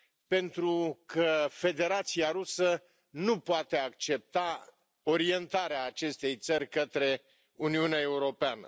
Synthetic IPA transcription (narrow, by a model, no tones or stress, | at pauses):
pe̞nt̪ɾukʰəfe̞d̪e̞ɾat̪sijaɾusə | nupoat̪e̞akt͡ʃe̞p̚t̪a | o̞ɾie̞nt̪aɾeaːt͡ʃe̞st̪e̞jt̪sərʲkət̪ɾe̞ | uniuneae̞uɾo̞peanə̰